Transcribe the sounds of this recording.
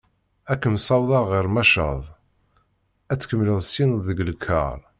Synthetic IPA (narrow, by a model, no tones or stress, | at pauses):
ækːəmsˤɑwðˤɑʁiɾmæʃə̰ðˤ | æt͡sːkəmːləðˤsinðəɡəlkʰːə̰ɾˤ